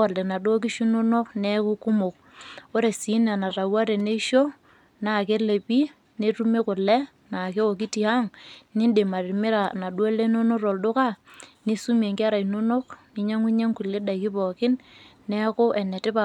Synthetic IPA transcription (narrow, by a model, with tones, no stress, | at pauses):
a˨lle˨na˨do˦k̬i˦ʃu˦no˦no˦knɛ˦ku˦ku˦mo˨k̚ | o˦ɾe˨si˨˦n˦a˨na˨ta˨wa˦ɾe˨ne˦ʃo˦ | na˨ke˦le˨pi˦ | ne˦tu˦me˦kʊ˨lɛ˦ | na˨ke˦o˨k̬i˦ti˨a˦ŋni˦nde˨ma˨ɾɪ˨mɪ˦ɾa˨na˨dwe˦le˦no˦no˦ɾo˨ldʊ˦ka˦ni˦su˦me˨ŋki˦a˦ɾa˨i˨no˦no˦kni˦ɲa˦ŋwi˦ɲe˦ŋku˨le˦da˨i˨ki˦pɔ˨kɪ˦nː | ɛ˦kʊ˦ʔɛ˨ne˨tɪ˦pa˨